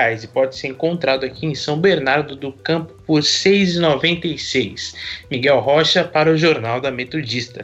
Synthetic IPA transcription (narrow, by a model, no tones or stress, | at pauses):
ajzɪpɔd͡ʒɪseɾẽŋkõnt̪ɾad̪ʊakʰiẽsɐ̃w̃beɾnaɾd̪ʊd̪ʊkɐ̃pʊ̥pʊɾsejzɪnovẽnt̪ejsejsmiɡɛwɦɔʃɐpaɾɐʊʒoɾnawd̪ɐmet̪od͡ʒist̪ɐ